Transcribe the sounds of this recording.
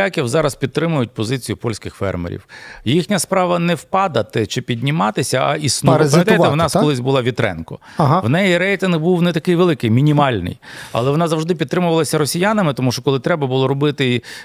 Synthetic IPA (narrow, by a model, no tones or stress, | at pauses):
akʲiwzɑɾɐspʲid̪ːɾɪmʊjʊt̚ʲpɔzɪt͡sʲijʊpɔlʲsʲkɪxfɛ̰rmḛɾʲḭwjixnʲɐspɾɑʋɐnɛwpɑd̪ɐt̪ɪt͡ʃɪpʲidʲnʲimɑt̪ɪsʲɐɐ̰ʔisnuzʲpɐmɐt̪j̪eʋɔnɑskɔlˠɪzʲbʊlˠɑʋʲit̪ɾɛ̰nkɔ | ɦwnɛjiɾɛjt̪ʲɪnɣbuwnɛt̪ɐkɪjʋelˠɪkɪjmʲinʲimɑlʲnɪ̰j | ɐ̰lˠɛʋɔnɑzɐwʐd̪ɪpʲid̪t̪ːɾɪmʊʋɐlˠɐsʲɐɾɔsʲijanɐmɪt̪ɔmuʃt͡ʃɔkɔlˠɪt̪ɾɛbɐbʊlˠɔɾɔbɪt̪ɪi